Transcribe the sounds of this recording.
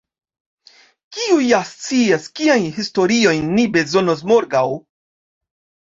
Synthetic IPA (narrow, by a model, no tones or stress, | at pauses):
kiujast͡siaskiajnhisto̞ɾio̞jnːibe̞zo̞nos̬mo̞ɾɡaw